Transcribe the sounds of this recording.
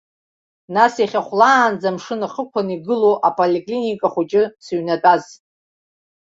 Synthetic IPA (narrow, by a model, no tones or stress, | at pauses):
nasiχʲaχʷlaːnd͡zamʂɨnaχəkʷʰaniɡɨloʔapʼolʲekʼlinikʼaχʷʊt͡ʃʼɪsɥnatʼaz